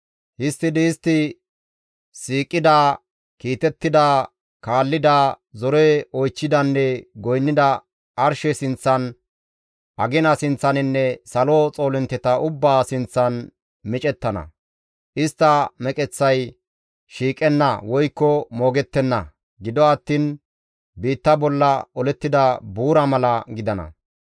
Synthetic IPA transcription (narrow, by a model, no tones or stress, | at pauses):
hɪst̪ːɪd̪ɪːst̪ːɪ | siːkʼːɪd̪aː | kiːt̪ɛt̪ːɪd̪a | kaːlːɪd̪a | zɔɾɛɔjt͡ʃːɪd̪ɐnːɛɡɔjnːɪd̪ɐ | ɐɾʃɛsɪnt͡sːɐn | ʔɐɡɪnɐsɪnt͡sːɐnɪnːɛsɐlot͡sʼo̞ːlɪnt̪ːɛt̪ɐʔʊbːaːsɪnt͡sːɐn | mɪt͡ʃʼɛt̪ːɐnɐ̰ | ʔɪst̪ːɐmɛkʼɛt͡sːɐj | ʃiːkʼɛnːɐ̰wɔjkːɔmoːɡɛt̪ːɛnːɐ̰ | ɡɪd̪ɔɐt̪ːiːn | biːt̪ːɐbɔlːɐɔlɛt̪ːɪd̪ɐbuːɾɐmɐlɐɡɪd̪ɐnɐ̰